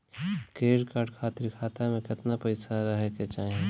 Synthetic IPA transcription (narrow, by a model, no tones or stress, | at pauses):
keːɽkaɖkʰaːt̪ɪɾkʰaːt̪amẽkɪt̪napəɪsaɾəɦɛket͡ʃaːɦẽ